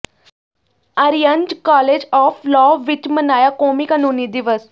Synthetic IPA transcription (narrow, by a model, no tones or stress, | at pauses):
əɾijənd͡ʒkɔːleːd͡ʒɔːflɔːʋɪt͡ʃmənaːjaːkoːmiːkənuːniːd̪ɪʋəs